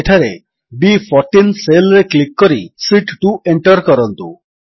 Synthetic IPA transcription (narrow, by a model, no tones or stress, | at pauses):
eʈʰaɾḛ | bipʰɔɾʈinselɾeklikːɔɾisiʈʈueɳʈɔɾkɔɾɔnt̪u